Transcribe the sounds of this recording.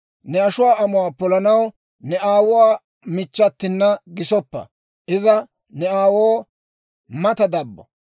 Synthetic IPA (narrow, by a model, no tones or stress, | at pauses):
nɛɐʃʊwaːɐmʊaːpɔlɐnɐw | nɛaːwʊwaː | mɪt͡ʃːɐt̪ːɪnːɐɡɪsɔpːɐ̰ | ʔɪzɐ | nɛaːwoː | mɐt̪ɐd̪ɐbːɔ̰